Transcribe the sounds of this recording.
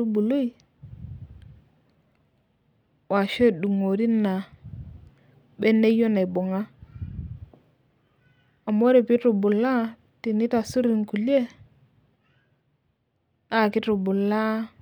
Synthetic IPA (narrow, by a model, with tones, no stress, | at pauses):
u˦bu˨lu˦i˨ | wa˨ʃe˦˨ɗu˨ŋo˨ɾi˦nːa˨ | be˦nːe˦jo˦na˨i˨bo˨ŋa˦ | a˨mo˦ɾe˨pi˦tu˨bu˨la˦ | ti˨ni˦ta˨su˦ɾi˨ŋku˨li˦e˦ | a˦˨ki˦tu˨bu˨lːa˦